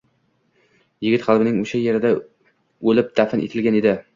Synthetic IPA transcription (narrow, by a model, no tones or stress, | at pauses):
jɪɡʲɪt̪χalˠbɪnɪŋoʃajeɾɪd̪a | ɵlɪp̚d̪̥afɪnʔḛt̪ʰɪlɡʲaned̪ɪ